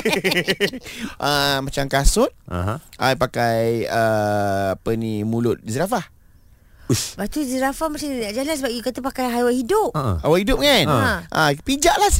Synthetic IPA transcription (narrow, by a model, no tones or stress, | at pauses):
ʔəmat͡ʃamkasʊt̪̚a̰ɦajpakajəapənimulʊt̪̚izɾafah | bat̪uzɾafahmasinnaʔd͡ʒalansəbap̚ikat̪apakajɦajwaʔhidʊp̚hawaʔhidʊp̚ŋanaʔa̰pid͡ʒaʔlah